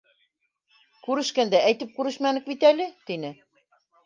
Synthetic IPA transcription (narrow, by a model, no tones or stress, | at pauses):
kʉɾɘ̆ʃkænd̪æʔæjt̪ɘp̚kʉɾɘʃmænɘk̚bit̪ælɘt̪inɘ